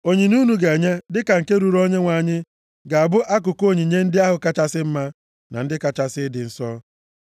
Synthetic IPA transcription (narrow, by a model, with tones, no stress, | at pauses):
o˨ɲi˨nu˦nu˨ɡe˨ɲe˦dɪ˦ka˨ŋ̩˨ke˦ɾu˨ɾo˦ɲe˦ŋʷa˨ɲɪ˦ | ɡa˨a˨bʊ˦ʔa˦k̬ʊ˨ko˦˨ɲi˨ɲe˦n̩˦dɪ˦a˦ɦʊ˨ka˦t͡ʃa˦sɪ˦m̩˦ma˦ | na̰˨n̩˦dɪ˦ka˨t͡ʃa˨sɪ˦dɪ˨n̩˨sɔ˦